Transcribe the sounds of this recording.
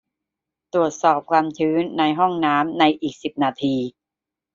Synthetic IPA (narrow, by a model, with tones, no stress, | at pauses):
t̪ɾu˨˩ət̪̚sɔː˨˩p̚kʰwaː˧mt͡ɕʰɯː˦˥nːa˧jɦɔ˥˩ŋnaː˦˥mna˧jʔiː˨˩k̚si˨˩p̚naː˧t̪ʰiː˧